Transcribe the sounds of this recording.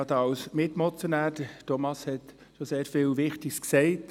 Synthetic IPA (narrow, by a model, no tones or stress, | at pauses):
ɑt̪ɑwsmɪtmɔt͡sjonæːɾdətɔmɑshɛt | ʃɔseːɾfɪːlʋɪχtɪsksɛɪt